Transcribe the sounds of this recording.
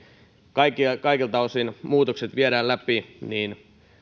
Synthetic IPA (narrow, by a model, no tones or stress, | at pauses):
kɑikikɑikilt̪ɑosinmuːt̪okset̪ʋieɾæːlæpiniːn